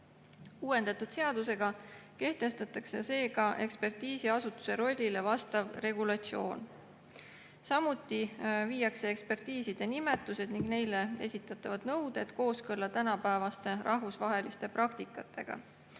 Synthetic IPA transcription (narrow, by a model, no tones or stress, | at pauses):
uːwe̞nd̪̥ɑt̪ud̪̥se̞ɑd̪̥use̞ɡ̥ɑke̞ht̪e̞st̪ɑt̪ːˑɑkse̞se̞ːɡɑʔe̞kspe̞rt̪iːsiɑsut̪ːu̥se̞ɾo̞lʲːile̞vɑst̪ɑvre̞ɡulɑt̪sio̞̰ːn | sɑmut̪ːˑivijɑkse̞ekspe̞rt̪iːsid̪̥e̞nime̞t̪ːˑuse̞d̪niŋɡne̞jle̞e̞̰sit̪ːˑɑt̪ːˑɑvɑd̪̥nɤwd̪̥e̞d̪̥ko̞ːskɤlːɑt̪ænɑpæevɑst̪e̞rʔɑhvusvɑɦe̞list̪e̞prʔɑkt̪ikːˑɑt̪ːˑe̞̰ɡ̥ɑ̰